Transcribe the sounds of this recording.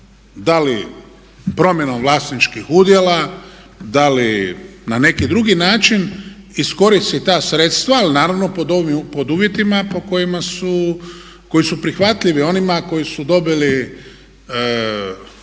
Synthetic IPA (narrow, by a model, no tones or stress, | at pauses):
d̪ali | pɾo̞mje̞no̞mʋlˠaːsnit͡ʃkixud̪jela | d̪alinane̞kid̪ɾuɡinaːt͡ʃinisko̞ɾist̪it̪aːsɾe̞t̪st̪ʋaːlinaːɾaʋno̞pod̪oʋipo̞d̪uːʋje̞t̪imapo̞ko̞jimasu | ko̞jisupɾixʋat̪ʎiʋio̞nimako̞jisud̪o̞bili